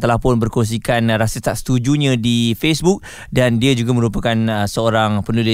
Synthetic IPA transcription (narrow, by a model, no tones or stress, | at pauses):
t̪əlahpʊnbərkons̬ikanɾasət̪at̪sə̥t̪ud͡ʒuɲãdifesbuk̚ | dandiad͡ʒuɡamə̃ɾupakansəoɾaŋpənulɪ